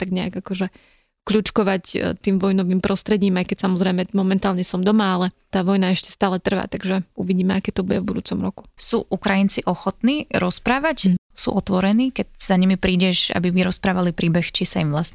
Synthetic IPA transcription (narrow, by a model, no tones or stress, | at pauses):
t̪aɡɲɛa̰ɡakɔʒɛ | kʎut͡ʃkɔʋact̪iːmʋɔjnɔʋiːmpɾʔɔst̪ɾɛɟiːmajkɛcsamɔzɾɛɪjmɛmɔmɛnt̪aːlɲɛsɔmd̪ɔmaalɛt̪aːʋɔjnaɛʃcɛ̥st̪aːlɛt̪r̩ʋa̰ːt̪aɡʒɛuʋiɟiːmɛakɛːt̪ɔbuɟɛvbud̪uːt͡sɔmɾɔku̥suːʔukɾajint͡siʔɔxɔt̪niːɾɔspɾaːʋacsṵːʔɔt̪ʋɔɾɛniːkɛɟz̥aɲimipɾiːɟɛʃa̰biʋiɾɔspɾaːʋalipɾiːbɛxt͡ʃisaimʋlasɲɛ